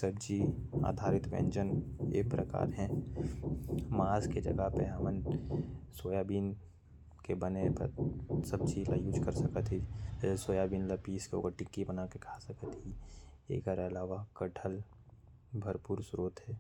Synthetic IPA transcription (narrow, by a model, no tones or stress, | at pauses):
səbd͡ʒia̰ːd̪ʱaːɾɪt̪bḛ̃ɲd͡ʒənḛːkpɾəka̰ːɾɦɛ̃ | maːzked͡ʒɐ̰ɡəɦpeɦɐmən | soːjaːbiːn | kebənepə̰ɾsəb̚d͡ʒila̰ːjuːd͡ʒkəɾsəkət̪ɦisoːjaːbiːnləpiːskeo̰ːkəɾʈɪkːibənakekʰasəkət̪ɦiḛːkəɾɐlaːʋakəʈʰəl | bʱəɾpuːɾsɾoːt̪ɦɛː